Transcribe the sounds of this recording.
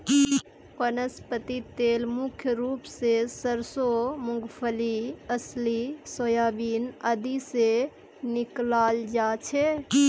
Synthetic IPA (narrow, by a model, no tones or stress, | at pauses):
kənəspət̪it̪eːlmʊkʰjəɾuːpsesəɾsomʊŋɡpʰəliəslisojaːbiːnəd̪ise | nɪklaːld͡ʒat͡ʃʰe